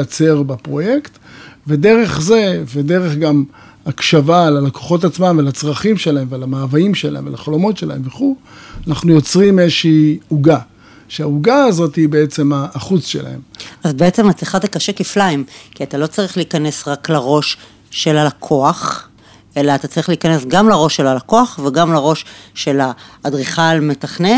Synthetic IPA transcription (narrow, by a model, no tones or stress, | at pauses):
jat͡se̞ʁbepʁo̞je̞kt̪ve̞de̞ʁe̞χze̞vede̞ʁeχɡam | akʃavalalako̥χo̞tat͡smamvealat͡sʁaχimʃelahe̞mvealamaːvaimʃela̰emvea̰laχalo̞mo̞tʃe̞la̰e̞mveχulanaχnujo̞t͡sʁimezʃiːuɡa | ʃeauɡaːzo̞tibeet͡se̞maːχut͡sʃḛla̰he̞̰mazbeet͡se̞mat͡sliχat̪akaʃekiflaimkiat̪alo̞t͡saʁiχliikane̞sʁaklaʁo̞ʃː | elalakʰo̞aχ | ʔe̞laːt̪at͡saʁiχliikane̞sɡamlaʁo̞ʃːelalako̞aχveɡamlaʁo̞ʃʃe̞laːdʁiχalme̞taχne